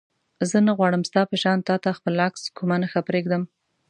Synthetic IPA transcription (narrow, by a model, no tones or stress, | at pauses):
zənaɣwɑɽəmst̪ɑpəʃɑnt̪ɑt̪axpəlakskumanəxapɾeɡd̪əm